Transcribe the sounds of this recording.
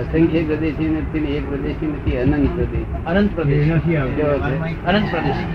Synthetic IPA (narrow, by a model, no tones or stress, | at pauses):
əsəŋkʰjəpɾɐd̪eʃinet̪ʰimekpɾɐd̪eʃimɐt̪ʰiɐnənt̪pɾəd̪eʃ | ɐnənt̪̚pɾəd̪eʃd͡ʒoke | ɐnə̃nt̪pɾəd̪eʃ